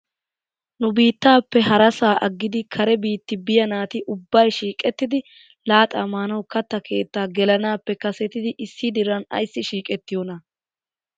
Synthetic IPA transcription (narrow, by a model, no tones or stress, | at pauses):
nʊbiːt̪ːaːpːɛhɐɾɐsaːʔɐɡːɪd̪ɪkʰɐɾɛbiːt̪ːɪbɪjɐnaːt̪ɪʔʊbːɐjʃiːkʼɛt̪ːɪd̪ɪ | laːt̪ʼaːmaːnɐwkɐt̪ːɐkʰe̞ːt̪ːaːɡɛlɐnaːpːɛkɐsɛt̪ːɪd̪ɪʔɪsːɪd̪ɪɾɐnɐ̰jsːɪʃiːkʼɛt̪ːɪjɔnɐ